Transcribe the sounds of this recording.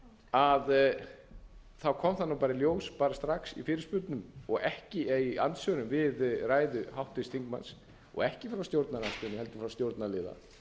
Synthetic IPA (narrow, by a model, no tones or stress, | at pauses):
að | θawkʰɔmθanːapaːɾɪljoːwspaːɾast̪ɾaksḭfɪːɾɪspʏɾt̪nʏmɔɣɛhcɪiant̪sœːnʏmvɪðraːjðʏhawht̪ɪst̪ʰiŋkmans | ɔ̰ɣɛhcɪfɾawst̪jowɾt̪nanasp̪ɪnɪhɛl̪t̪ʏ̥fɾawst̪jowɾt̪nalɪːða̰